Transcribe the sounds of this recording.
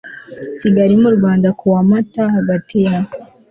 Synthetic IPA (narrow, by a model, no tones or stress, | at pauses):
siɡaɾimuɾuβaːnd̪akʰuwamatahabatʰea